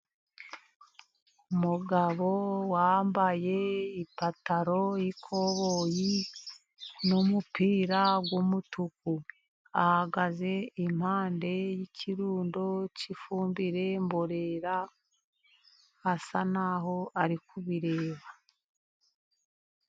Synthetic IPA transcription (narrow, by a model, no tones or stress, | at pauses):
uumuɡaβo̞wambaje̞ipataɾo̞jikʰo̞βoːji | nomupiːɾaɡwomutuku | ahaɡaze̞im̥haːnde̞jicʰiɾuːndo̞cifuːmbiɾe̞mboɾe̞ɾa | hasanaːɦo̞aɾikuβiɾe̞ːβa